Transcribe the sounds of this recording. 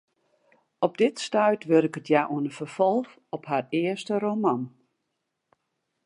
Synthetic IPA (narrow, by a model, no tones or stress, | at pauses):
ɔb̚dɪtstœɥtʋøɾɪkətʰjaʔuənəfərfɔlˠx | ɔpharɪəstəromɔn